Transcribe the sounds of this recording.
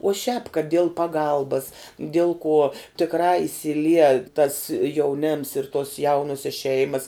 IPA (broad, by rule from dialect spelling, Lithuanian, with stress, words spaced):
uɔ ʃʲæːp kɐt dʲiɛlˠ pɐˈɡɐlˠbɐs dʲiɛlˠ kuɔ tʲɪkˈrɑː ɪsʲɪlʲˈiɛ tɐs jɛʊˈnʲɛms ɪr tuɔs ˈjɛʊnuɔsʲɛs ˈʃʲɛɪmɐs